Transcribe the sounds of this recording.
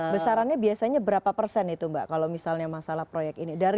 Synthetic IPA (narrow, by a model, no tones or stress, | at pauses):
bəsaɾanɲabiasaɲabəɾapapərsɛnit̪umba̰ʔkalowmisalɲamasalahpɾojɛk̪̚inidaɾ